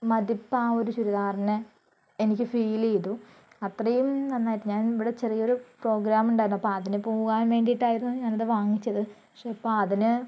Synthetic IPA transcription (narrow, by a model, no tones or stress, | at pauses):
mɐðipːaːo̞ɾuɕuɾuðaːrɐnɐ | enikʲːɨfiːlejðu | ɐt̪rɐjumnɐnːaːjiʈːɨɲaːniʋiɽet͡ɕe̞rijɐo̞ɾupro̞ːɡɾaːmuɳɖaːjɾunːɐpːoːɐðinɨpoːɣaːnʋe̞ːɳɖijiʈːaːjiɾunːuɲaːnɐðɨʋaːŋːit͡ɕːɐðɨɐkʂeːɐpːoːɐðinɨ